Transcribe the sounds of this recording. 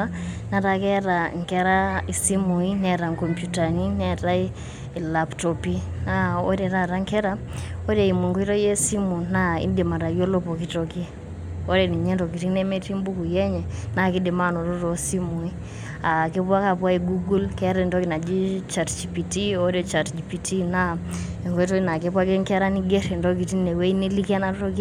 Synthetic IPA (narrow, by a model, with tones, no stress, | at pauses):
na˨ɾa˨kɛ˦ɾa˨ŋkɛ˦ɾa˦i˨si˦mu˨i˦nɛ˨ɾa˨ŋko˨mpju˨ta˨ni˦nɛ˦ta˦i˦ | i˨la˨ptɔ˨pi˦ | na˦o̰˦ɾɛ˨ɾa˨ɾa˦ŋkɛ˦ɾa˦o˦ɾe˨i˨mo˨ŋɡo˦i˦ɾɔ˦je˦si˦mu˨na˦ḭ˦ndi˨ma˨ɾa˨jo˦lo˦po˨ki˦tɔ˨ki˦ | o˦ɾɛ˨ni˨ɲɛ˦ndo˨ki˨ti˦ne˦me˦ti˦mbu˦ku˨jɛ˦ɲɛ˨na˦˨ki˦di˨ma˦no˨ɾo˦ɾo˨si˦mu˨i˦ | a˨ke˦pwa˦ka˨pwa˦i˨ɡu˦ɡu˦lkɛ˦ɾɛ˨ndɔ˦ki˨na˨d͡ʒi˦t͡ʃa˨tt͡ʃi˨pi˨ti˦o˦ɾe˦t͡ʃa˨td͡ʒi˨pi˨ti˦na˦e˨ŋɡo˦i˦tɔ˦ki˦na˨ke˦pwa˦kɛ˦ŋkɛ˦ɾa˦ni˦ɡe˦ɾe˨ndo˦k̬i˨ti˦ne˨we˦i˦ni˦li˦kɛ˦na˦to˦ki˦